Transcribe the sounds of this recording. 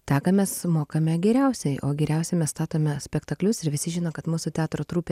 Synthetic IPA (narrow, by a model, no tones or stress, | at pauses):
t̪ʲæːkɐmʲɛsmoːkɐmʲɛɡʲɛɾʲɛʊsʲɛɪʔo̰ːɡʲɛɾʲɛʊsʲɛɪmʲɛsst̪ɑːt̪oːmʲɛsʲpʲɛkt̪ɐklʲʊsɪɾʋʲɪsʲɪʒʲɪnoːkɐt̪muːsʊt̪ʲæːt̪ɾoːt̪ɾuːpʲe